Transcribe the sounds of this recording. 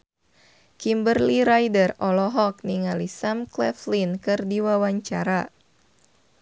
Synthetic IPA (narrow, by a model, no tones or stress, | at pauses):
kimbərliɾajdərɔlɔɦɔk̚niŋalisamklɛflinkɨrdiwawaɲt͡ʃaɾa